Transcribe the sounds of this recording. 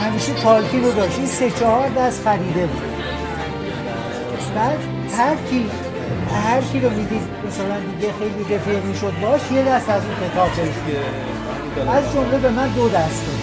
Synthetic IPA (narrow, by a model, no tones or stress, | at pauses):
hæmiːʃekʰɒːlkʰiːnod̪ɒːʃiːse̞t͡ʃʰɒhɒɾd̪æst̪fæɾiːd̪e̞bṵːd̪ | bæːd̪ | hæɾkʰiː | hæɾcʰiɾomid̪iːd̪mæsælænd̪iːɡexe̞jlide̞feʁmiːʃod̪̚bɒːʃje̞d̪æst̪æzuːkʰe̞t̪ʰɒːbɡeɾeʃt̪i | æzd͡ʒo̞mle̞be̞mænd̪od̪æst̪